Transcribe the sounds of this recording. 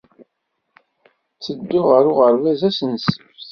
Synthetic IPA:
t͡sːəd̪ːʊʁəɾʊʁəɾvæzæsənsəf

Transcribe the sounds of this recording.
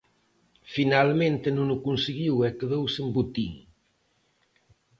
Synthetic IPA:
finalmẽnt̪enũŋukunsiɣiwɛkeðowsembut̪iŋ

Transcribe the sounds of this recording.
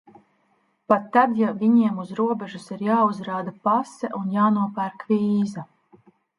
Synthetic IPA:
pat̪ːad̪javiɲiɛmuzɾuɔbɛʒusiɾjaːuzɾaːd̪apasɛʔunjaːnuɔpæɾkviːza

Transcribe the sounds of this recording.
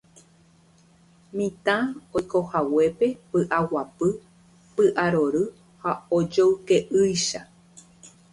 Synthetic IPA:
mĩt̪ãojkohawe̞pe̞pɨʔawapɨ | pɨʔaɾoɾɨ | haod͡ʒowkeʔɨjʃa

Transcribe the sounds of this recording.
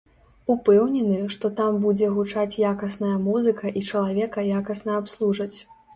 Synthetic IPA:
upɛwnʲɛnɨʂt̪ɔt̪ambud͡zʲɛɣut͡ʂat͡sʲjakɐsn̪ɐjɐmuzɨkɐʔit͡ʂɐlˠavʲɛkɐjakɐsnɐapslˠuʐɐt͡sʲ

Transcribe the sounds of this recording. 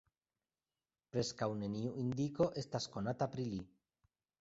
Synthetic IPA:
pɾeskawneniuʔind̪ikoʔest̪askonat̪apɾili

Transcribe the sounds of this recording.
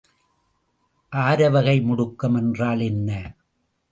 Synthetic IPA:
ʔaːɾɐʋɐɣɐɪmʊɽʊkːɐmɛndraːlɛnːɐ

